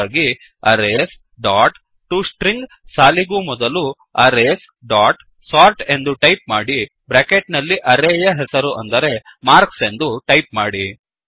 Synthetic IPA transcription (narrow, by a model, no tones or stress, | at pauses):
aːɡi | ɐɾes | ɖaːʈ | ʈːusʈɾiŋɡ | saːliɡumɔd̪ɐlu | ɐɾes | ɖaːʈ | saːɾʈe̞nd̪uʈɐjp̚maːɽi | bɾeːkeʈnɐlːiʔɐɾeːjɐɦɛsɐɾuʔɐnd̪ɐɾe̞ | maːɾkse̞nd̪uʈɐjpmaːɽi